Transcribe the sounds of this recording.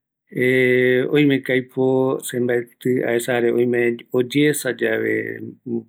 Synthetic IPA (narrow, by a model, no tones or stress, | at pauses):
eõj̃mẽkajposembaet̪ɨa̰esaɾeoj̃mẽod͡ʒesad͡ʒaʋḛ